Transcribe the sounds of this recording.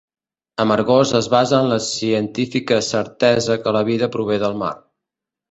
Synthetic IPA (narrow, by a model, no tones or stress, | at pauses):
əməɾɣozəzβazəːnləsiənt̪ifikəsəɾt̪ɛzəkələβ̞iðəpɾuβ̞eðəlˠma̰r